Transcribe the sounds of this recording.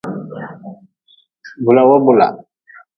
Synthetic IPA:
bʊ˨la˨wɔ˦bʊ˨la̰˨

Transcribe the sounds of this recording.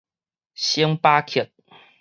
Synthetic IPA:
ɕi˦ŋpa˦kʰi˨t̪̚

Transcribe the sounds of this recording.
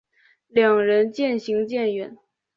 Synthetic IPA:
ljɑ˨˩ŋɻə˧˥nt͡ɕjɛ˥˩nɕi˧˥ŋt͡ɕjɛ˥˩nɥɛ˧˥n

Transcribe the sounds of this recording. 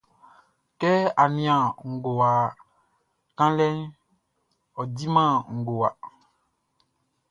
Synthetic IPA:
kɛ˦a˨nĩ˨ã˨ŋ̩˨ɡo˨wa˨ | kã˦lɛ˦n | ɔ˨di˦mã˦˨ŋ̩˨ɡo˨wa˨

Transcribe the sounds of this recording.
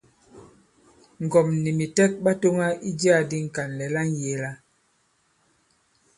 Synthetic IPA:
ŋ˨ɡɔ˨mni˨mi˨tɛ˦k̚ɓa˦to˦ŋa˦i˦d͡ʒi˦a˦˨di˦ŋ̩˨ka˨nlɛ˨la˦n˦˨je˨˦la˦

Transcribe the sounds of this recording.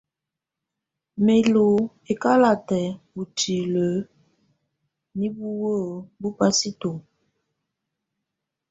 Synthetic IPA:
me˨lo˨ | e˨ka˦la˨tɛ˨u˨ti˨lə˨˦ | ni˦bu˦wo˦˨bu˦pa˦si˦to˨

